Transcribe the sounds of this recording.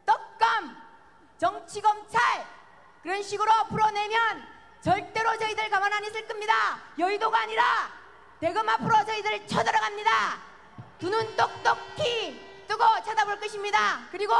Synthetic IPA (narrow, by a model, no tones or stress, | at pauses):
t͈ʌk̚k͈ʌm | t͡ɕʌŋt͡ɕʰiɡʌmt͡ɕʰaɭ | kɯɾʌnɕʰiɡɯɾoapʰɯɾone̞mjʌn | t͡ɕʌɭt͈e̞ɾot͡ɕʌidɯɭkamanɦaɲisʰɯɭk͈ɯmɲidajʌidoɡaːɲiɾa | ne̞ɡɯmapʰɯɾot͡ɕʌidɯɭt͡ɕʰʌdʌɾaɡamɲida | tunɯnt͈ok̚t̪͈ʌk̚tʰi | t͈ɯɡʌt͡ɕʰadaboɭk͈ʌɕʰimɲidakɯɾiɡo